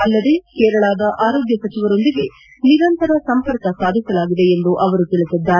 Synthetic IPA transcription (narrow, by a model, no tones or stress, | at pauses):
ɐlːɐd̪e̞kɛːɾɐɭaːd̪ɐʔaːɾo̞ːɡjɐsɐt͡ʃiʋɐɾo̞nd̪iɡe̞ | niɾɐnt̪ɐɾɐsɐmpɐɾkɐsaːd̪ʱisɐlaːɡid̪e̞ːnd̪uʔɐʋɐɾut̪iɭisid̪ːaːɾe